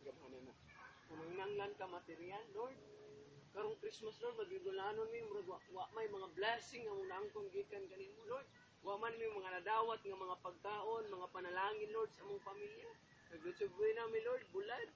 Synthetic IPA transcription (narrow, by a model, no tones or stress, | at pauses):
ɡamanana | kʊmaŋɪnaŋlankamat̪ɪɾialːoɾd̪̚kaɾoŋkɾismaslold̪̚ŋaɡiɡʊlanʊnmɪmʊɾaɡwaʔwaʔmajmaŋablasɪŋːaʔamʊŋnaaŋkʊnɡikankanimoloɹd̪̚ | waʔmanmimaŋanadaːwat̪̚ŋamaŋapaɡ̚kaːʔonmaŋapanalaːŋɪnloɾd̪saamʊŋpamilja | kaɡlʊd̪sʊɡ̚jnamɪloɾd̪̚bʊlad̪̚